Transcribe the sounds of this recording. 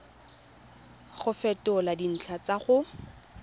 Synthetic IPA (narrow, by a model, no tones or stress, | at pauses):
χʊfɛtʊladin̩t͡ɬʰat͡saχʊ